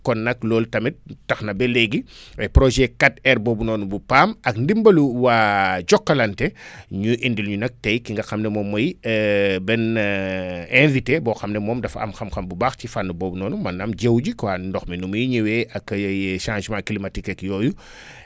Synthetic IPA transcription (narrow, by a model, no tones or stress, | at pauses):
kɔnːɐklɔːltɐmit̚tɐxnɐbɛlɛɡiwɛjpɾɔʒɛkɐtɛrbɔːbunɔːnubupaːmɐkndimbɐluwaːɟɔkːɐlɐntɛɲuʔindilɲunɐk̚tɛjkiŋɡɐxɐmnɛmɔːmːɐj | bɛn | ɛ̃nvitebɔːxɐmnɛmɔːmdɐfɐ̰mxɐmxɐmbubaxcifanːubɔːbunɔːnumɐnɐmɟewɟikwaːndɔxmɛnumujiɲiwɛːʔɐkːʃãːʒmãklimɐtikɐkjɔːju